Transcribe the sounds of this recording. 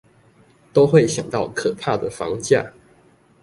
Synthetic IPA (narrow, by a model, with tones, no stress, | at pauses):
t̪o˥ʊxwe˥˨ɪɕjɑ˨˩ŋt̪ɑ˥˨ʊkʰɤ˨˩pʰa˥˩d̪ə˩fɑ̰˧˦ŋt͡ɕja̰˥˩